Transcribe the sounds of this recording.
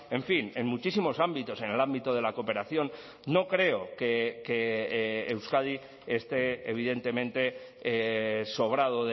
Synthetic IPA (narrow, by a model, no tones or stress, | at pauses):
e̞ɱfine̞nmut͡ʃisimo̞sambit̪o̞se̞ne̞lambit̪oð̞e̞lako̞pe̞ɾaθjo̞nː | o̞kɾe̞okekeː | wskað̞iː | st̪e̞eβ̞iðe̞nt̪e̞mẽ̞nt̪e̞ | so̞β̞ɾað̞oð